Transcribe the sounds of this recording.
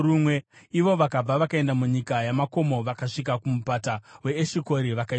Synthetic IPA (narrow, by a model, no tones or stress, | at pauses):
rumweiʋo̞ʋakab͡vaʋakae̞ndamuɲikajamako̞mo̞ʋakaʂik̬akumupatawe̞ːʃiko̞ɾiʋakai